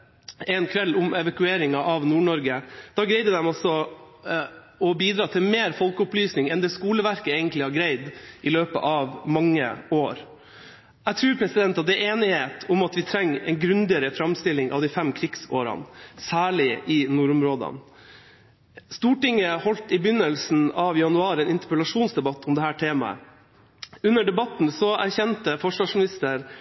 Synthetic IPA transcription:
ɛnkʰʋɛlːʊmɛʋɑkʉeːɾɪŋɑʔɑʋnuːɳɔɾɡəd̪̥ɑɡɾæɪd̪əd̪ɛmɔsɔ | ɔbiːd̪ɾɑːt̪ʰɪlmeːɾfɔlkəʊplyːsnɪŋɛnd̪ɛːskuːləʋæɾkəeɪɡənt̪lɪhɑɾɡɾæɪd̪ʔɪløːpə̰ʔɑʋmɑŋːə̰oːɾ | æt̪ʰɾʉːɾpʰɾɛsɪd̪ɛnt̪ɑt̪̚d̪ɛʔeːnɪheːt̪ʰʊmɑt̪ʋɪt̪ʰɾɛŋːɛ̰ɪnɡɾʉnd̪ɪəɾəfɾɑmst̪ɪlɪŋʔɑ̰ʋd̪ɪfɛmkʰɾɪɡsoːɾɑ̰nsæːɭɪʔɪnuːɾʊmɾoːd̪ɑ̰n | st̪uːʈɪŋːəhɔlt̪ɪbʏnːəlsn̩ɑʋɪjɑnʉɑːɾɛeːnɪnt̪əpəlɑʂuːnsd̪ɛbɑt̪ʰːɔmd̪ɛhæːʈʰeːmɑ̰ə̰ | ʉnːəɖɛbɑt̪n̩sɔʔæɾçɛnt̪əfɔʂʋɑːʂmɪnɪst̪əɾ

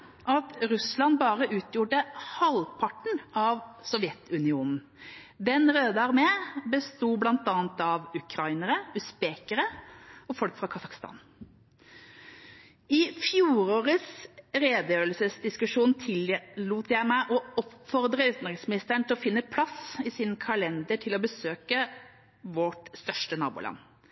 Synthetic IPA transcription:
ʔɑt̪ɾʉslɑnbɑːɾəʔʉːt̪ʰjuːʈəhɑlpʰɑʈɳ̩ʔɑʋsɔʋjɛt̪ʉnɪuːnn̩ | d̪ɛnʁøːd̪əæʁmɛːbəst̪uːblɑnt̪ɑːnt̪ɑʋʉkʰɾɑɪnəɾəʉspeːkəɾəɔfɔlkfɾɑkʰɑsɑkst̪ɑ̰ːn | ɪfjuːɾoːʁəsɾeːd̪əjøːəlsəsd̪ɪskʉʂuːnt̪ʰɪlːuːt̪jæɪmæɪʔɔɔpfɔʁd̪ɾəʉːt̪nʁɪŋsmɪnɪst̪əɳt̪ʰɪlɔfɪnːəpʰlɑsɪsɪnkʰɑlɛnd̪əʈʰɪlɔbəsøːkə | ʋɔʈst̪œʂʈənɑ̰ːbṵlɑ̰nː

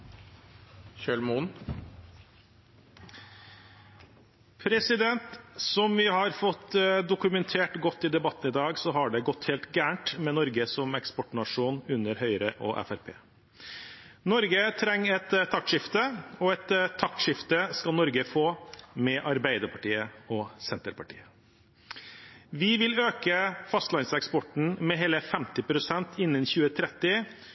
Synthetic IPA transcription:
çøɭmuːn | pʰɾɛsɪd̪ɛnt̪sɔmʋɪhɑɾfɔt̪ːd̪ʊkʉmɛnt̪ʰeːʈɡɔt̪ːɪd̪ɛbɑt̪ːn̩ɪːd̪ɑːɡsɔɦɑɖɛɡɔt̪ːheːlt̪ɡæːɳʈmɛnɔɾɡəsɔmɛkspɔʈɳɑʂuːnʉnːəɾhœʏɾəʔɔʔæ̰fæɾpʰḛː | nɔɾɡət̪ʰɾɛŋːɛt̪ʰːɑk̚t̪ʂɪft̪əɔɛt̪ʰːɑk̪ʂɪft̪əskɑnɔɾɡəfoːmɛʔɑɾbæɪd̪əɾpʰɑʈiːəɔsɛnt̪əɾpɑʈḭːə | ʋɪʋɪløːkəfɑst̪lɑɪnsɛkspɔʈɳ̩mɛɦeːləfɛmt̪ɪpʰɾʊsɛnt̪ʰɪnːənçʉːət̪ʰɾɛt̪ːɪ

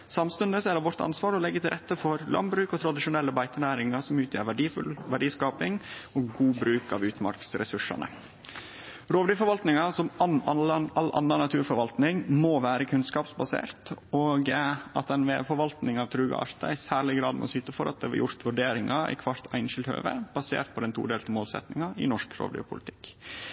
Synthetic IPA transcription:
sɑmst̪ʉnd̪əsɛd̪ɑʋɔɾt̪ɑ̰nsʋɑːɾɔlɛɡːət̪ʰɪlɾɛt̪ːəfɔɾlɑ̰nbɾʉːkɔt̪ʰɾɑd̪ɪʂʊnɛlːəbæɪt̪ənæːɾɪŋɑsɔmʉːt̪ʰjə̰ːɾʋæɖiflʋæɖiːskɑːpɪŋɔɡɡuːbɾʉːkɑ̰ʋʉːt̪mɑ̰ɾksɾɛ̰sʉʂɑ̰nə̰ | ɾoːʋɖyːfɔɾʋɑlt̪nɪŋɑsɔmɑʔɑlːʔɑ̰nːɑnɑt̪ʰʉːɾfɔɾʋɑlt̪nɪŋmoːʋæːɾəkʰʉnskɑːpsbɑsḛːɾt̪oːɡɑt̪ɛɪnʋeːfɔɾʋɑlt̪nɪŋɑʋt̪ʰɾʉːɡɑ̰ɑ̰ɾt̪ɑ̰æsæːɭɪɡɾɑːd̪mɛ̰ɔsʏt̪əfɔɾʔɑt̪̚d̪ɛʋɑ̰jʊɾt̪ʋʉɖeːɾɪŋʔɑʔɪ̰kʰʋɑɾt̪ʰæ̰ɪnʃɪlt̪hø̰ːʋə̰b̥ɑsḛːɾt̪̚pʰɔd̪ɛnt̪ʰṵːɖ̪eːlt̪əmoːlsɛ̰t̪nɪŋɑɪ̰nɔʂkɾo̰ːʋd̪ʏ̰pʰʊlɪt̪ʰɪ̥kː

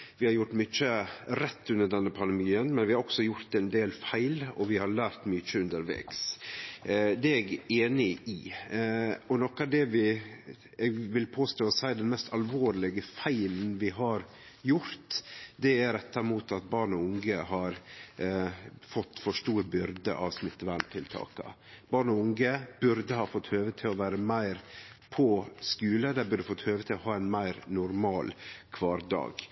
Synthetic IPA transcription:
ʋɪhɑɾjʊʈmʏt͡ʃːəɾɛt̪ʰːʉnd̪əɖɛnːəpʰɑnd̪ɛmiːənmɛnʋɪhɑɾɔksɔjʊɾt̪ɛnd̪eːlfæɪlɔʋɪhɑɾɭæːɾt̪mʏt͡ʃːəʉnd̪əɾʋḛːks | d̪ɛɛɡeːnɪʔɪ | ɔnɔkɑd̪ɛʋɪ | ɛɡʋɪlpʰoːst̪oːɔsæɪd̪ɛnmɛst̪ɑlʋoːɾlɪɡəfæɪln̩ʋɪɦɑɾ | jʊɾt̪d̪ɛæɾɛt̪ʰːɑɾɪmuːt̪ɑt̪̚bɑːɳɔʊŋɡəɦɑɾ | fɔt̪ːfɔʂʈuːɾbʏɾd̪ə̰ʔɑʋsmɪt̪ːəʋæɳt̪ʰɪlt̪ʰɑ̰ːkə̰ | b̥ɑːɳɔʊŋɡəb̥ʉɾd̪əhɑːfɔt̪ːhøːʋət̪ʰɪlɔʋæːɾəmæɪɾpʰɔskʉːləd̪æbʉɾɖd̪əfɔt̪ːhøːʋət̪ʰɪlɔhɑːæɪnmæɪɾnʊɾmɑːlkʰʋɑːɾd̪ɑ̰ːɡ

